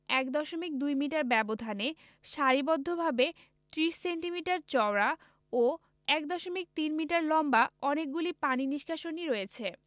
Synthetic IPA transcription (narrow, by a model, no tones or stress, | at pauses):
ɛkd̪ɔʃomik̚d̪ujmiʈaɾbɛbod̪ʱane | ʃaɾibɔd̪ʱːobʱabe | t̪ɾiʃseɳʈimiʈaɾt͡ɕɔɾa | o | ɛk̚d̪ɔʃomik̚t̪inmiʈaɾlɔmbaɔnek̚ɡulipaniniʃkʰaʃoniɾoet͡ɕʰe